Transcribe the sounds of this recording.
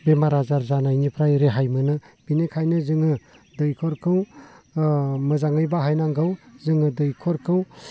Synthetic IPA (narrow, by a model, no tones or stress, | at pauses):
bemaɾazaɾzanajnipʰɾajɾeɦajmɯnɯ | b̥inekʰajnɯzɯŋɯ | dɯjkʰɔɾkʰɯw | mɯzaŋɯjbaɦajnaŋɡawzɯŋɯdɯjkʰɔɾkʰɯw